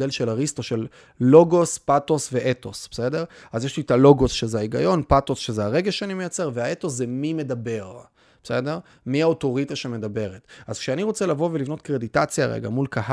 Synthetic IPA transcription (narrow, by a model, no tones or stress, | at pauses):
delʃelaʁisto̞ʃelː | o̞ɡo̞spato̞sve̞ʔeto̞sb̥ese̞de̞ʁazjeʃlitalo̞ɡo̞sʃezeaiɡajo̞npato̞sʃe̞zeaʁe̞ɡeʃeanime̞jat͡se̞ʁveaetoszemime̞dabe̞ʁ | b̥e̥sede̞ʁ | miaoto̞ʁit̪aʃeme̞dabe̞ʁetazkʃeaniʁo̞t͡selavo̞velivno̞t̪kʁeditat͡sjaʁḛɡa̰mulkaɦa